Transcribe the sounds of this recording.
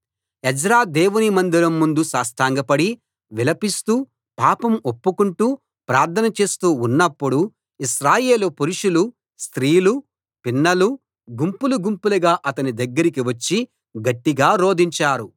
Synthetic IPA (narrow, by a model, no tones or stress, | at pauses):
ed͡ʒɾaːd̪eːʋunimɐnd̪iɾɐmːund̪usaːsʈ̪ʰaːŋɡɐpɐɽi | ʋilɐpist̪uː | paːpɐmopːukuɳʈuː | pɾaːɾt̪ʰɐnɐt͡ʃe̞ːst̪uːnːɐpːuɽu | iʃɾaːje̞ːlupuɾuʂulu | st̪ɾiːlu | pinːɐlu | ɡumpuluɡumpulɐɡaːʔɐt̪ɐnid̪ɐɡːɐɾik̬iʋɐt͡ʃːi | ɡɐʈːiɡaːɾo̞ːd̪iɲt͡ʃaːɾu